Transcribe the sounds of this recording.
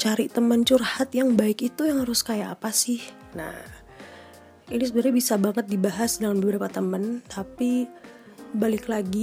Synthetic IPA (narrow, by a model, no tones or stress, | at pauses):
t͡ʃaɾit̪əmənt͡ʃurhat̪jaŋbaɪkit̪ujaŋhaɾʊskajaa̰pasɪh | na̰h | inis̬ədəɾɲabisabaŋət̪̚dibaɦasdəŋanbəbəɾapat̪əmənt̪ʰapi | balɪklaɡi